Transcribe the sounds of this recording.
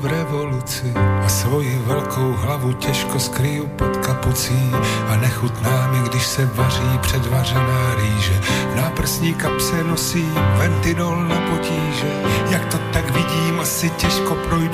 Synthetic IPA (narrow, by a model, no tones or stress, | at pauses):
vɾɛvo̞lut͡sɪʔasvo̞jɪvɛlkʰo̞wɦlavucɛʃko̞skɾɪjupot̪kaput͡siːʔanɛxut̪naːmɪɡdɪʃsɛvar̝iːpr̝̥ɛdvar̝ɛnaːɾiːʒɛnapr̩sɲiːkapsɛnosiːvɛnt̪ɪdolnapo̞ciːʒɛjak̚t̪o̞t̪akvɪɟiːmʔasɪcɛʃko̞pɾoj